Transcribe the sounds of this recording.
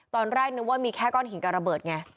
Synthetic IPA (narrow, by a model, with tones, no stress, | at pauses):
t̪ɔː˧nɾɛː˥˩k̚nɯ˧waː˥˩miː˧kʰɛː˥˩kɔː˥˩nɦi˨˩˦nka˨˩ɾa˧bɤː˨˩t̪̚ŋa˧